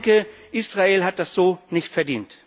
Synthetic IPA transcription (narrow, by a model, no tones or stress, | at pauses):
kəʔiːsʁ̥aeːlɦat̚d̥asz̥oːnɪçtfɛɐdḭːnt